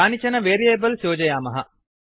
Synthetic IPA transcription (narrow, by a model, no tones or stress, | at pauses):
aːnit͡ʃɐnəʋeːɾieːbəlsjoːd͡ʒɐjaːmɐɦɐ